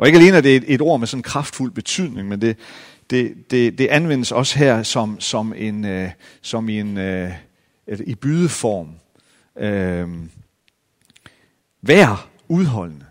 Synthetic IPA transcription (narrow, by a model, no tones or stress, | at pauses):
ʔɒ̽eɡ̥æle̝̰ːnəæd̥e̝e̝ɾo̝ɐ̰mesɒ̽nnkʰʁɑ̈fd̥ful̰b̥e̝t͡sʰyð̰ˠne̝ŋmend̥e̝ | d̥e̝d̥e̝d̥e̝ʔænʋen̰əsɒ̽sə̥ɦæɐ̰sɒ̽msɒ̽me̝nsɒ̽min | elib̥yːð̞ˠəfɒːm | øm | ʋæɐ̰ | uð̞ˠɦɒ̽l̰nə